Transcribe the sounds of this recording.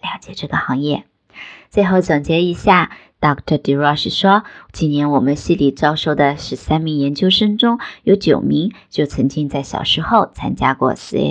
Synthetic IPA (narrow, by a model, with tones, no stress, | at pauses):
ljɑ˧˥ʊt͡ɕjɛ˨˩ʈ͡ʂɤ˥˩ɡə˩xɑ˧˥ŋjɛ˥˩ | t͡swe˥˧ɪxo˥˩ʊt͡swa˨˩ŋt͡ɕjɛ˧˥i˧˥ɕja˥˩ | t̪ɑ˥˩kt̪ʰə˧˩t̪i˨˥ɹɔ˥˧ʂɻ̩˥˩ʂwɔ˥t͡ɕi˥˩njɛ˧˥nwɔ˨˩mə˦nɕi˥˩li˨˩t͡sɑ˥ʊʂo˥˩ʊd̪ə˨ʂɻ̩˧˥sa˥nmi˧˥ŋjɛ˧˥nt͡ɕjo˥ʊʂɤ˥ŋʈ͡ʂʊ˥ŋjo˧˥ʊt͡ɕjo˨˩ʊmi˧˥ŋt͡ɕjo˥˩ʊt͡sʰɤ˧˥ŋt͡ɕi˥ŋt͡sa˥˩ɪɕjɑ̰˨˩ʊʂɻ̩˧˥xo˥˧˩ʊt͡sʰa̰˥nt͡ɕja˥kwɔ̰˥˩sɹ̩̰˧˥˧